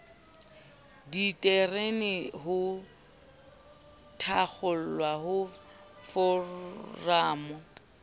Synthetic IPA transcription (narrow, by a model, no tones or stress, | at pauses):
ditʼerenɪɦʊ | tʰak͡xʰʊl̩lwaɦʊ | fɔ | raːmɔ